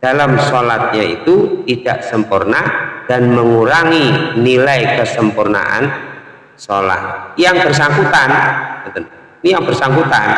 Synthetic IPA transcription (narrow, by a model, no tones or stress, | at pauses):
d̥alamsolat̪̚ɲaḭt̪ut̪id̥a̰ʔsəmpurnad̥anməŋuɾaŋinilajkəsəmpurna̰ʔa̰n | sola̰t̪̚jaŋb̥ərs̬aŋkut̪anət̪ən | nijaŋbərsaŋkut̪an